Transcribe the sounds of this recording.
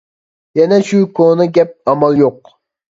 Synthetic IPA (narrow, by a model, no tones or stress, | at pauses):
jɛnɛʃukʰonɨɡʲɛp̚ɑmɑlˠjoq̚